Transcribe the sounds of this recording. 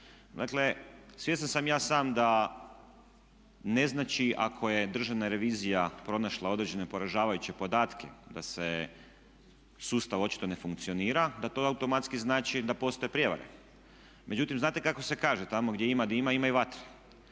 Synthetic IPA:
d̪a̰kle̞sʋjesansamjaːsaːmd̪a | ne̞znat͡ʃiʔa̰kʰo̞je̞d̪r̩ʒaʋnaɾe̞ʋiːzijapɾo̞naʃlˠao̞d̪ɾed͡ʑe̞ne̞po̞ɾaʒaːʋajut͡ɕe̞po̞d̪aːt̪kʰḛd̪ase | suːst̪aʋo̞t͡ʃi̥t̪o̞ne̞fuŋk̚t̪sio̞niːɾad̪at̪oawt̪o̞mat̪skiznaːt͡ʃid̪apo̞st̪oe̞pɾjeʋa̰ɾḛ | mʔe̞d͡ʒut̪imznaːt̪e̞kako̞se̞kaːʒet̪amoɡd̪jeimad̪aimaimaiʋat̪ɾi̥

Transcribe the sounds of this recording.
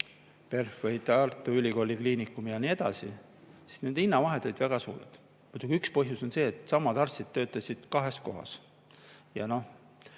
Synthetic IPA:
pe̞rfvɤjt̪ɑrt̪ːˑuylʲiko̞ːlʲikliːnikːˑumijɑnie̞d̪̥ɑ̰sḭ | si̥sne̞nd̪inːɑvɑɦe̞d̪̥o̞lʲid̪̥væɡ̥ɑsuːɾḛd̪̥ | mujd̪̥uɡ̥iykspɤ̞ɦjuso̞nse̞ːt̪ˑsɑmːɑd̪̥ɑrst̪id̪̥̚t̪ːø̞ːt̪ːˑɑsʲid̪̥kɑɦe̞sko̞̰ɦɑ̰s | jɑ̰no̞h

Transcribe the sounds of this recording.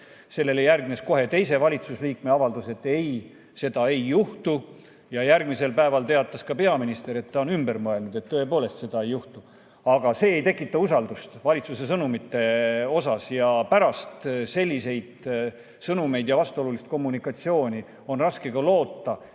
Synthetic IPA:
se̞lːe̞le̞jærɡnesko̞ɦe̞t̪e̞js̬e̞vɑlʲit̪susliːkme̞ɑvɑld̪use̞t̪ːe̞j | se̞d̪̥ɑe̞jːuht̪u | jɑjærɡmise̞lpæevɑlt̪e̞ɑt̪ˑːɑskɑpe̞ɑminist̪e̞ɾe̞t̪ːɑonymbeɾmɤe̞lnud̪̥e̞t̪ːɤ̞e̞po̞ːle̞st̪se̞d̪̥ɑe̞juht̪u | ɑɡ̥ɑse̞ːjt̪e̞kːˑit̪ːˑɑusɑld̪ust̪vɑlʲit̪sus̬e̞s̬ɤnumit̪ːe̞o̞sɑsjɑpæɾɑst̪se̞lʲːise̞jd̪̥ | sɤnume̞jd̪̥jɑvɑst̪uo̞lulist̪̚ko̞mːunikːˑɑt̪sio̞ːnʲi | o̞nrɑske̞ɡ̥ɑlo̞ːt̪ːɑ

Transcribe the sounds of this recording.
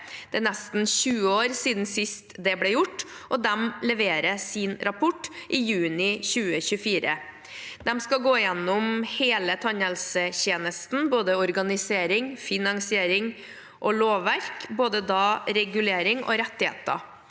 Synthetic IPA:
d̪̥ɛnɛst̪n̩ɕʉːəoːɾsiːd̪n̩sɪst̪d̪ɛblɛjʊʈːʔɔd̪ɛmlɛʋeːɾəsɪnɾɑpʰʊʈːʔɪjʉːnɪçʉːəçʉfiːɾə | d̪ɛmskɑɡoːɪjɛnːʊmheːlət̪ʰɑɲɛlsəçeːnəst̪n̩boːd̪əɔɾɡɑnɪseːɾɪŋfɪnɑŋsɪeːɾɪŋ | ʔɔloːʋːæɾkboːd̪əd̪ɑɾɛɡʉleːɾɪŋɔ̰ɾɛt̪ːɪhḛːt̪ə̰

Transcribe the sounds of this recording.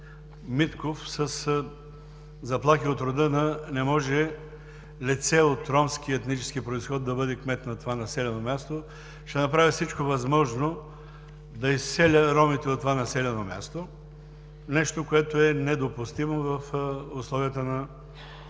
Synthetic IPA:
mit̪kofsəs | zɐplˠaxiot̪ɾod̪ənənɛmɔʒɛ | lʲɛt̪sɛot̪ɾɔmsk̟iəɛt̪nit͡ʃɛ̥skipɾoisxɔd̪d̪ːɐbɤd̪ɛkmɛt̪nɐt̪ovanɐsɛlʲɛnomʲjast̪o | ʃt̪ɛnɐpɾavifsit͡ʃkovɐzmɔʒno | d̪ɐisːɛlʲəɾɔmit̪ɛot̪ːovanɐsɛlʲɛnomʲja̰st̪o | nɛʃt̪okoɛt̪oɛnɛd̪opʊst̪imovɐfʊslˠɔviət̪ənɐ

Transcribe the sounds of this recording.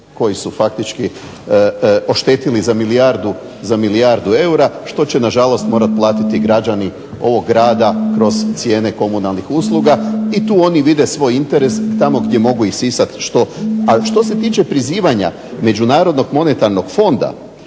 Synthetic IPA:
ko̞jisufak̚t̪it͡ʃki | o̞ʃt̪eːt̪ilizamiliaɾd̪u | zamiliaɾd̪ue̞uɾaʃt̪o̞t͡ɕe̞naʒalo̞st̪mo̞ːɾat̪̚plˠaːt̪it̪iɡɾad͡ʒani | o̞ʋo̞ɡːɾaːd̪akɾo̞zt̪sje̞ːne̞ko̞munalˠnixuslˠuɡait̪uːo̞niʋid̪e̞sʋo̞jint̪e̞ɾe̞st̪amo̞ɡde̞mo̞ɡuisisat̪ʃt̪o̞aʃt̪o̞se̞t̪iːt͡ʃe̞pɾiziːʋaɲa̰ | me̞d͡ʑunaːɾod̪no̞ɡmo̞net̪aɾno̞ɡ̥fo̞nd̪a̰

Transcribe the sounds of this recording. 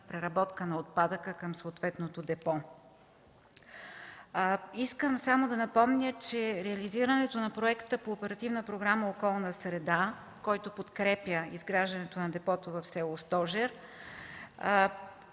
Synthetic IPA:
pɾɛɾɐbɔt̪kənɐot̪̚pad̪əkəkəmsooːt̪vɛt̪not̪od̪ɛpɔ | iskəmsamod̪ɐnɐpɔmnʲət͡ʃɛɾɛɐliziɾənɛt̪onɐpɾoɛkt̪əpoːpɛɾɐt̪ivnəpɾoɡɾaməokɔlˠnəsɾɛd̪a | kɔjt̪opot̪kɾɛpjəizɡɾaʒd̪ɐnɛt̪onɐd̪ɛpɔt̪ovɐfsɛlˠost̪ɔʒɛɾ

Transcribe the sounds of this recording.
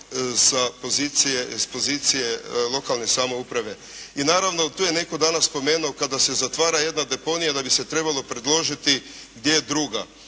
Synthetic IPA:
sapozit̪sijespo̞ziːt̪sijelˠo̞kalˠne̞samo̞upɾaʋe̞ | inaːɾaʋno̞t̪uːjene̞kod̪aːnaspo̞me̞ːnuokad̪ase̞zat̪ʋaːɾaje̞d̪nad̪e̞po̞nijad̪abiset̪ɾe̞balˠo̞pɾe̞d̪lˠo̞ʒit̪i | ɡd̪jejed̪ɾuːɡa

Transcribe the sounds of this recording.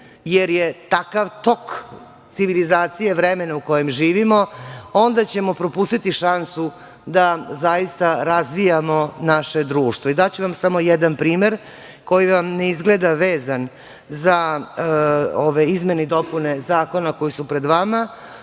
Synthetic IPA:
jeɾjet̪akaʋt̪o̞k | t̪siʋilizaːt̪sijeʋɾemenauko̞jemʒiːʋimoo̞nd̪at͡ɕe̞mo̞pɾopust̪it̪iʃansu | d̪azajist̪aɾazʋijamo̞naʃe̞d̪ɾuːʃt̪vʋo̞id̪at͡ɕuʋamsamo̞jed̪anpɾiːme̞ɾ | ko̞jiʋamne̞izɡled̪aʋeːzan | za | oʋeizme̞ned̪o̞pune̞zaːko̞nako̞jisupɾe̞d̪ʋama

